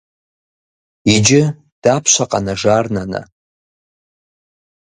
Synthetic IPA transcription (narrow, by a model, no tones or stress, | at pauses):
id͡ʒɪ | d̥apʰʃʷaqʼanaʐarnana̰